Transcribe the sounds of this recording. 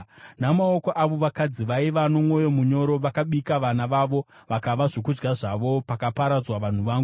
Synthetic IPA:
namaokoʔaʋo̞ʋakad͡ziʋaiʋano̞mwo̞jo̞muɲo̞ɾo̞ʋakaɓikaʋanaʋaʋo̞ | ʋakaʋaʐokud͡ʒɡaʐaʋo̞pakapaɾad͡zwaʋan̤uʋaːŋɡu

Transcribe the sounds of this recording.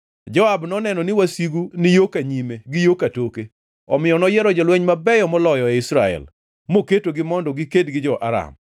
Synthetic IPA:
d͡ʒɔabnɔnɛnɔnɪwasiɡunɪjokaɲimeɡɪjokatoke | ɔmɪjɔnɔjɛɾɔd͡ʒalwɛɲmabɛjɔmɔlɔjɔɛɪsɾaɛ̰l | moketoɡɪmɔndɔɡɪkedɡɪd͡ʒɔʔaɾa̰m

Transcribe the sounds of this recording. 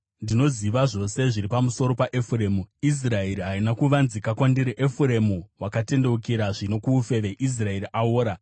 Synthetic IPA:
ndino̞ziʋaʐo̞se̞ʐiɾipamuso̞ɾo̞paʔefureːmuis̬raeɾiɦainakuʋanzikakwandiɾeʔefuɾe̞muwakate̞nde̞ukiɾaʐino̞kuːfe̞ʋe̞ʔis̬rae̞ɾiʔaoːɾa

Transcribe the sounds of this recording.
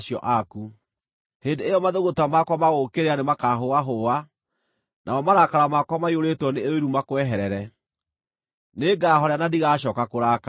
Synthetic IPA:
ʃijɔ̰ʔaku | heːndeejɔmaðoɣotamakwamaɣokeɾeanemakaɦowaɦoa | nʔa̰ɔmaɾakaɾamakwamaioɾetwɔneeoiɾumakowɛɦɛɾɛɾɛ | neɡaːɦɔɾeanadiɣaːɕɔːkakoɾaːka

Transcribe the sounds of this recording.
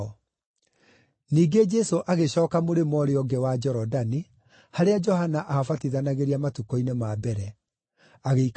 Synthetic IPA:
ɔ | niːɡed͡ʒɛsoʔaɣeɕɔːkamoɾemɔɾeɔɡɛwad͡ʒɛɾɔdani | haɾead͡ʒɔhanaʔahafatiðanaɣeɾiamatukɔinemabɛɾɛ | aɣeik

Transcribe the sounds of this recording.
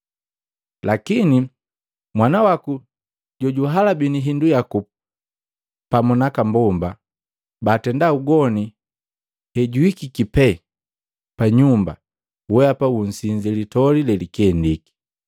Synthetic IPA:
lakini | mwanawaku | ɟɔɟuɦalabiniɦindujaku | pamɔnakambɔmba | baːtɛndauɡɔni | hɛɟuikikipɛ | paɲumba̰ | wɛapawun̩siɲd͡ʒɛlitɔlilɛlikɛndiki̥

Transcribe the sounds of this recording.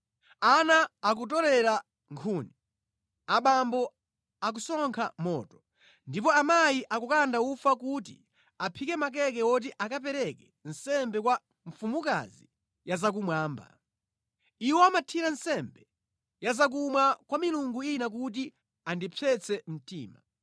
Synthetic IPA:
anaːkut̬ɔɾɛɾa | ŋkʰuni | aɓambɔ | ak̬usɔŋkʰamɔːtɔ̥ | ndipɔamajiʔakukandaufakutḭ | apʰikɛmak̬ɛk̬ɛɔt̬iʔakap̬ɛɾɛkɛ | n̩sɛmbɛkwa | ɱfumuka̰zi | jazak̬umwaːmba̰ | iwɔamatʰiɾansɛmbɛ | jazak̬umwakwamiluŋɡuinak̬ut̬i | andipʰɛt͡sʰɛm̩tḭːma̰

